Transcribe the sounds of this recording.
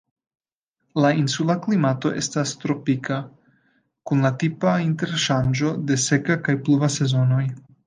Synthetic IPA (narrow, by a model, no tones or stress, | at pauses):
lainsulaklimato̞̰ʔe̞̰stastɾo̞pikʰa | kunlatipainte̞ɾʃand͡ʒo̞de̞se̞kakajpluvase̞zo̞no̞j